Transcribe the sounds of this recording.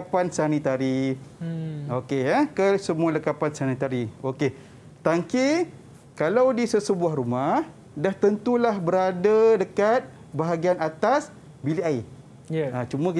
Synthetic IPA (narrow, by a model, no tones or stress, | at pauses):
apansanit̪aɾi | okeəkəsəmũaləkapansanit̪aɾioke | t̪aŋki | kalawdisəsəbuahɾumah | daht̪ənt̪ulahbəɾadadəkat̪̚ | baɦaɡianat̪as | biliai | at͡ʃumə̃k